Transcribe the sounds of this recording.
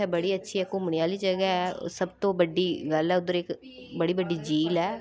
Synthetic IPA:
ɛːbəɽiːətːʃʰiːɦɛːkʊmɳ̃ĩːaːliːd͡ʒəɡɛɛ̰ːsəbt̪õːbəɖiːɡəlɛːʊd̪əɾɪk | bəɽiːbəɖiːd͡ʒiːlɛː

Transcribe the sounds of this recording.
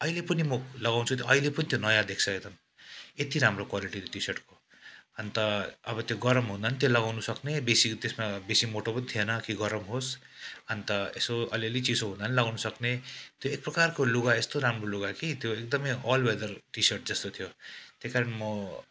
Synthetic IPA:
ʌilepʌnimʌlʌɡaw̃t͡sʰut̪joʌilepʌnit̪jonʌjad̪ek̚ʰsʰʌet̪ʰʌn | et̪iɾamrokwaliʈit̪oʈisʌrʈko | ʌnt̪ʌʌbʌt̪joɡʌɾʌmɦũnd̪ant̪jolʌɡawnusʌknebesit̪esmabesimoʈopʌnt̪ʰienʌkiɡʌɾʌmɦos | ɦʌnt̪ʌesoʌ̰liʌlit͡sisoɦũnd̪anlʌɡawnusʌknet̪joek̚prʌkarkoluɡaest̪oɾamroluɡakit̪joek̚d̪ʌmʌjɔlwed̪ʌrʈisʌrʈ̚d͡zʌst̪ot̪ʰijot̪jekaɾʌnmʌ

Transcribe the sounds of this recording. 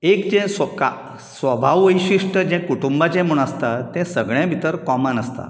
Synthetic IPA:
ekd͡ʑɛ̃səka̰ | sʋəbʱaʋʋəjɕiʂʈəd͡ʑɛ̃kuʈumbat͡ɕɛ̃muɳ̃əst̪at̪ːɛ̃səɡɭjãbʱit̪əɾkɔmanəst̪a̰

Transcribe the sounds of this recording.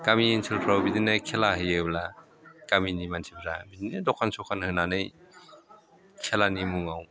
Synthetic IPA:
kamiːnsʰɯlkʰɾawbidinɯkʰelaɦɯjɯbla | kaminimantʰib̚zabidinɯdɔkʰansɔkʰanhɯnanɯj | kʰelanimuŋaw

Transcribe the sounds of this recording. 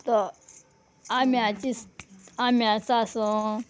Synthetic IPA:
t̪ɔ | amiãt͡ʃisamiãt͡sasõ

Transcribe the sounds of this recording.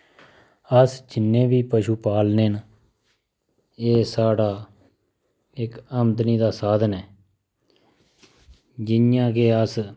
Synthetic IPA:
əsd͡ʒɪnːẽːʋiːpəʃuːpaːlneːn | eːsaːɽaː | ɪkəmd̪niːd̪aːsaːd̪nɛː | d͡ʒɪnjãːkeːəs

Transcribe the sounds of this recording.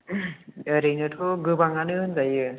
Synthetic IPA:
ɾejnɯʈʰoɡɯbaŋanɯɯnzajɯ

